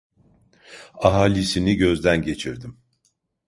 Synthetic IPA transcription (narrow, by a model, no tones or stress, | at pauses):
aɦaːlʲisiniɟø̞zd̪ænɟe̞t͡ʃʰiɾd̪im